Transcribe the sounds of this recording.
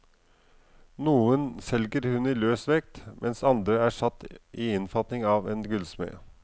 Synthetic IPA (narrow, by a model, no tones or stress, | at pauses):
nuːənsɛlɡəɾhʉniːløːsʋɛk̚t̪mʔɛnsɑnd̪ɾəæʂɑt̪ːʔiɪnfɑt̪nɪŋɑːʋɛːnɡʉlsmḛː